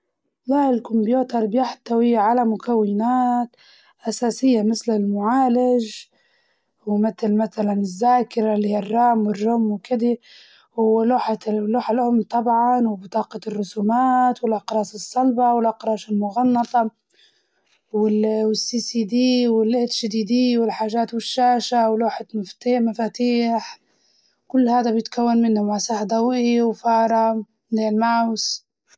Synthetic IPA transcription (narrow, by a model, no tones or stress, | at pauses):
laʔɪlkʊmbjuːt̪ɑɾˤbjaħt̪ːawɪʕalamʊkawːɪnaːt̪ | ʔasaːsɪjːamɪθlɪlmʊʕaːlɪʒ | wmɪθlmaθalanɪzːaːkɪɾalihiːarˤːɑːmwɪrˤːʊmːwkɪd̪i | ʊːluːħaloːħalʔʊmt̪ˤɑbʕɑnwbɪt̪ˤɑːqɑrːʊsuːmaːt̪wɪlʔɑqɾˤɑːsɪsˤːɑlbawɪlʔɑqɾˤɑːʃɪlmʊɣɑnːɑt̪ˤɑ | wɪwɪsːiːsiːd̪iːwɪlʔɪt̪ʃɪd̪iːd̪iːwɪlħaːʒaːt̪wɪʃːaːʃawloːħamaft̪iːmafaːt̪iːħ | kʊlːhaːd̪abjɪt̪kawːanmɪnːʊmaʕsaːħd̪awʔiwfɑːɾˤɑ | d̪eːlmaʕws